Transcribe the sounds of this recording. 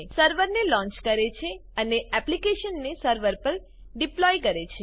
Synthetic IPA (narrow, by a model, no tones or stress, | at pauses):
səɾʋəɾnelɔ̃ɲt͡ʃkəɾet͡ʃʰeəneɛplikeʃənːesəɾʋəɾpəɾ | ɖiplɔjkəɾet͡ʃʰe